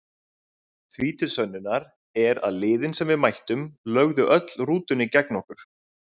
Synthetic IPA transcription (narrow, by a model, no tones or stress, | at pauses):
θviːt̪ʏsœnːʏnːaɾ | ɛɾa̰ðlɪːðɪnsɛmvɪðmajht̪ʏmlœɣðʏʔœt̪l̥ruːt̪ʏnːɪcɛknɔhkʏɾ̥